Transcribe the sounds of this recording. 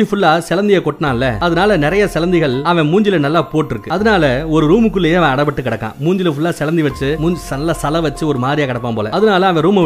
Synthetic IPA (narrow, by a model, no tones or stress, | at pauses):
ifʊɭːaːsɛlɐnd̪ɪjɐkɔʈːnaːlːɛ̰ɐðɯnaːlɐnɪɾɐjɐsɛlɐnd̪ɪɣɐɭɐʋɛ̃muːɲd͡ʒɪlɐnɐlːaːpoːʈːɪɾɯkːɯɐðɯnaːlɐɔɾɯɾuːmɯkːɯlːeːjẽɐʋɛ̃ɐɽɐpɐʈːɯkɪɽɐkːã̰ːmuːɲd͡ʒɪlɐfʊɭːaːsɛlɐnd̪iʋɐt͡ʃːɯmuːɲsɐlːaːsɐlɐʋɐt͡ʃːɯɔɾɯmaːðɾɪjaːkɐɽɐp̬ːaːmpo̰ːlɐ̰ɐðɯnaːlɐɐʋɛ̃ɾuːmɐ